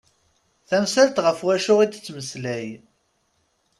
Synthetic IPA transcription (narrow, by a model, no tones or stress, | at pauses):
θæmsælt̪ʁəfwæʃʊʁid̪t͡sːməslæj